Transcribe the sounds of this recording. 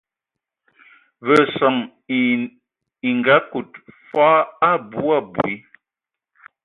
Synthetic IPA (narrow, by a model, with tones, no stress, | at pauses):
və˨sɔ˨ŋ˨ | i˨ŋɡa˨˦ku˨t̚faː˦a˦˨bu˦a˦˨bṵ˨i˦